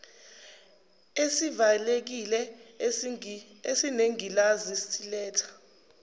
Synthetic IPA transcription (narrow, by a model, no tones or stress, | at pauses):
esivalek̬ilɛ | esineŋilazistʼilɛːtʰḁ